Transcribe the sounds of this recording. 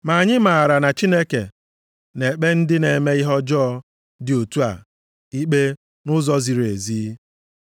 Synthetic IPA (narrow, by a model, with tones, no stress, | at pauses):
ma˨ɲɪ˦ma˨ɾa˨na˨t͡ʃi˦ne˦ke˨ | ne˨k͡pe˦n̩˦dɪ˦ne˨me˦ɪ˦ɦɔ˦d͡ʒɔː˦ | dɪ˨o˨tu˦a̰˨ | i˦k͡pe˦ | nʊ˦zɔ˦zi˨ɾe˨ziː˦